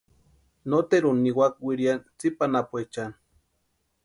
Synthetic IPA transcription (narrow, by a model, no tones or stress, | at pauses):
not̪eɾunːiwak̚wiɾjant͡sipanapuet͡ʃan